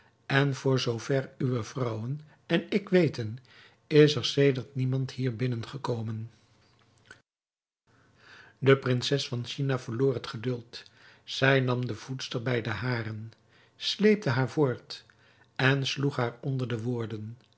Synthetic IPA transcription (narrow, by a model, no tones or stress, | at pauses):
ɛnv̥ʊːɹzowv̥ɛryʋəv̥rʌwən | ɛnɪkʋejtən | ɪsəɹsejdəɹtnimɑntɦiːɹbɪnənχəkowmən | dəprɪnsɛsfɑnʃinavəɹlʊːɹɦətχədɵlˠt | z̥ɛjnɑmdəv̥utstəɹbɛjdəɦaːrən | slejp̚təɦaːɹvoːɹt | ɛnsluχɦaːɹɔndəɹdəʋʊːɹdən